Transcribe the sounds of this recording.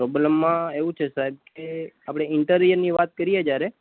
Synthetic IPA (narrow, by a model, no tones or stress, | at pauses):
pɾɔbləmːãeʋũt͡ʃʰesaɦib̚keapɽ̃eɪɳʈəɾijəɾniʋat̪̚kəɾijed͡ʒjaɾe